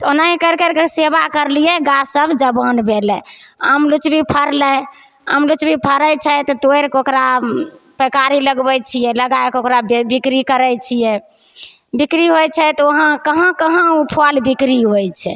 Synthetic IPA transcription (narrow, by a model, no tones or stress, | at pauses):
t̪onaikəɾkəɾkesebakəɾlijɛɡasəbʱd͡ʒəbənbʱelɛə̰mlut͡ʃbipʰəɾlɛ | ə̰mlut͡ʃbipʰəɾəjt͡ʃʰɛt̪ɔt̪oeɾkokɾapəkaɾiləɡbɛt͡ʃʰijɛləɡaekokɾabbikɾikəɾɛjt͡ʃʰijɛ | bikɾiɦot͡ʃʰɛt̪ɔoɦãkəɦə̃kəɦə̃upʰalbikɾiɦojt͡ʃʰɛ̰